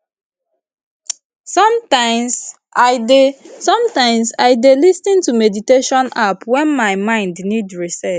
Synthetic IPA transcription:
sɔ̃mtãɪ̃ms | ʔaɪdesɔ̃mtãɪ̃msaɪdelisnĩntumediteʃɔ̃napwɛ̃nmaɪmãɪ̃ndnidɹisɛ

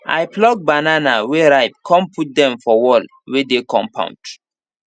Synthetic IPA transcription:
ʔa̰jplɔɡ̚bananaweɹaɪp̚kʰɔ̃mpʰut̚dɛ̃mfɔwɔl | wedekʰɔ̰̃mpʰã̰ʊ̃nd

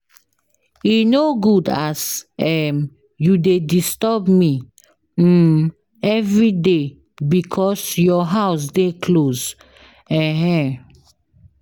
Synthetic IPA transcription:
inoɡudasɛm | judedistɔbmi | ɛvɹide | bikʰɔsjɔɦaʊs̬dekʰlos | ɛ̃ɦɛ̃

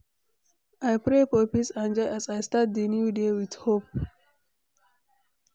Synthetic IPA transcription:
ʔajpɹefɔpisãnd͡ʒɔjʔasajstat̚d̪ənjudewidhop̚

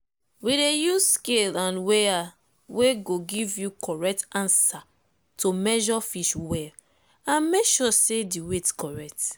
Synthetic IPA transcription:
widejusskelãnwea | weɡoɡivjukʰɔɹɛk̚tãnsa | tʰomɛʒɔfiʃwɛl | ãnmekʃɔsediwetkɔɹɛk̚t

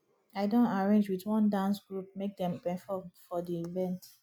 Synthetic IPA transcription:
aɪdõntaɹẽnd͡ʒwitwɔ̃ndãnsɡ̥ɹup̚mek̚dɛ̃mpɛ̃fɔfɔdiivɛ̃nt

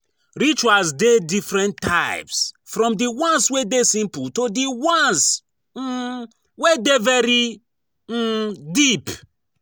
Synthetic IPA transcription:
ɹit͡ʃuasdedifɹɛ̃ntʰːaɪpsfɾɔ̃mdiwãnswedesĩmputodiwɔ̃ns̩ | wedevɛɾi | dip

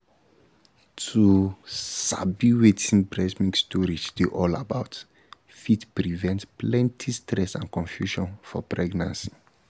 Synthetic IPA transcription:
tʰu | sa̰biwetʰĩnbɹɛsmĩŋkstɔɾideʔɔla̰baʊt | fitpɹivɛ̃ntplɛ̃ntʰistɾɛsãnkɔ̃nfjuʃɔ̃nfɔpɹɛɡnãnsi̥

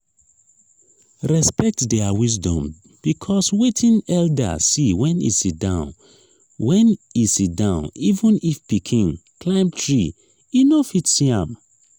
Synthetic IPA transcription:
ɹɛspɛk̚tdɛawis̬dɔ̰̃m | b̥ikʰɔswetʰĩnɛlda̰siwɛ̃nḭsit̚dãʊ̃n | wɛ̃nisit̚dãʊ̃nivũnifpikʰĩŋklãɪ̃mtʰɹi | inofitsiã̰m

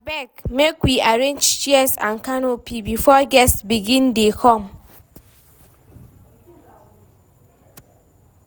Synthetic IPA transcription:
bɛkmekwiʔaɾend͡ʒt͡ʃiɛsã̰nkanopibifɔɡɛsbiɡĩndekʰɔm

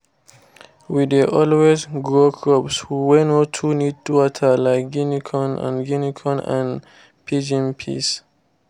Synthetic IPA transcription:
wideʔɔlwesɡɹokʰɹɔpswiwɛnotʰunid̚tuwɔtʰəlaɪk̚ɡinikʰɔ̃nã̰nɡinikʰɔ̃nã̰n | pʰid͡ʒĩnpʰḭs

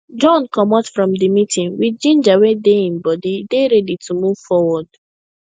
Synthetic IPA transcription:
d͡ʒɔ̃nkɔmɔtfɹɔ̃mdimitʰĩŋwidd͡ʒĩnd͡ʒawedeĩnbɔdideɾɛditʰumuv̥fɔwɔd̥

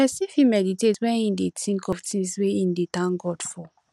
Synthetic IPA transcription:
pɛsĩfimɛditetwɛ̃nĩndetʰĩŋkɔvtĩŋsweĩndetãnɡɔdfɔ

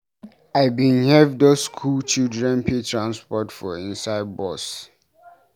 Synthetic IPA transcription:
aɪbĩnhɛvdoskʰult͡ʃildɹɛ̃npʰetʰɹãnspɔtfɔĩnsaɪd̚bɔs

